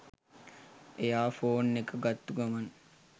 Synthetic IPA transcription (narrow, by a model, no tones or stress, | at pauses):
ejaːfoːnːekəɡɐt̪ːuɡɐmɐn